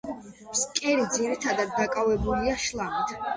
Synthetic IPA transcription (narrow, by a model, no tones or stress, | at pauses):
mskʼɛɾid̪ziɾit̪ʰad̪ad̪ːakʼavɛbuliaʃlˠamit̪ʰ